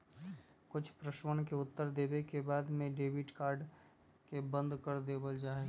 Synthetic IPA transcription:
kʊt͡ʃʰpɾəʃwənkeʊt̪ːəɾd̪eːbekebaːd̪mẽɖeːʋɪʈkaːɾɖ | kebə̃nd̪kəɾd̪eːbəld͡ʒaːeɡ

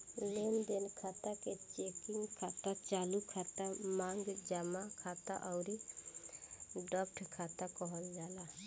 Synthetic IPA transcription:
lend̪enkʰat̪aket͡ʃekiŋɡkʰat̪at͡ʃalukʰat̪amaŋɡd͡ʒamakʰat̪a̰ʔɔʊɾi | ɖɔpʈʰkʰat̪akɔɦəld͡ʒala

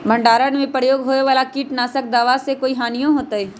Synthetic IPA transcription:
bʱə̃ɳɖaːɾənmẽpɾəjoːɡɦoːeʋaːlakiːʈnaːsək̚d̪aːʋasekoːiɦaːnijõɦoːt̪aɦɛː

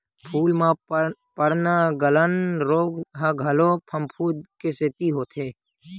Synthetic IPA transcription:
pʰuːlmãpəɽnaɡələnɾoːɡɦaɡʱəloːpʰəmpʰuːd̪keseːt̪iɦoːt̪ʰeː

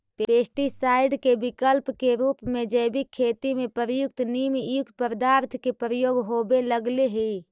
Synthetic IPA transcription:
ppeːsʈisaːɪɖkebɪkəlpkeɾuːpmẽd͡ʒəɪbikʰːeːt̪imẽpəɾəjʊk̚t̪nimjʊk̚t̪pəɾd̪aːɾt̪ʰkepɾəjoːɡɦoːbeləɡleɦi

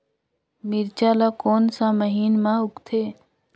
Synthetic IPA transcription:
mɪɾt͡ʃaːlakoːnsãməɦiːnmãʊkt̪ʰeː

